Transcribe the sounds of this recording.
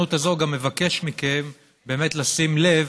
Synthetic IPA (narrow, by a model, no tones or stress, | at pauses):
utazo̞ɡamːe̞vake̞ʃmikem | be̞ːme̞tlasimle̞v